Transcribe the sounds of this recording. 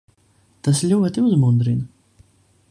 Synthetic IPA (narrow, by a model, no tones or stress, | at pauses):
t̪aslʲuɔt̪iuzmund̪ɾin